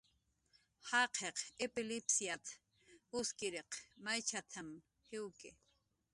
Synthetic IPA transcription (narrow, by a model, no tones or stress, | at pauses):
hɑqʰeqepɪlɪpsjat̪ʰ | ʊskɪɾeqmajt͡ʃʰat̪ʰam | hɪwkɪ